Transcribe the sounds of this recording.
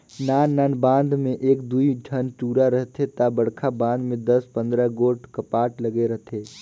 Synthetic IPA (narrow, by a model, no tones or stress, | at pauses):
naːnaːnbãːnd̪ʱmẽʔeːkd̪uiʈʰənʈuːɾaɾəɦt̪ʰet̪abəɽ̤kʰabãːnd̪mẽd̪əspə̃nd̪ɾəɡoːʈʰkəpaːʈləɡeɾəɦt̪ʰeː